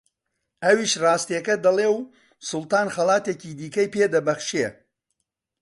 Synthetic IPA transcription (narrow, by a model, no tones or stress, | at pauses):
ɐwiːʃrɑːst̪ijɛkɐd̪ɐleːw | sʊlˠt̪aːnχɐlˠaːt̪ecid̪iːkɐjpeːd̪ɐbɐχʃe